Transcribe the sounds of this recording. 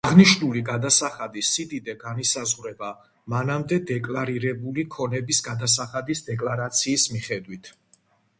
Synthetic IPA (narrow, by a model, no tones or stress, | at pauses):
aʁniʃnuliɡad̪asaχad̪isid̪id̪ɛɡanisazʁwɾɛba | manamd̪ɛd̪ɛkʼlaɾiɾɛbulikʰɔnɛbisɡad̪as̬aχad̪isd̪ɛkʼlaɾat̪sʰiːsmiχɛd̪wit̪ʰ